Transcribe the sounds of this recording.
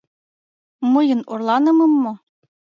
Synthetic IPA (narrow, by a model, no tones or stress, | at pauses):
mɤjɤ̆norlˠɑnɤ̆mɤ̆mːo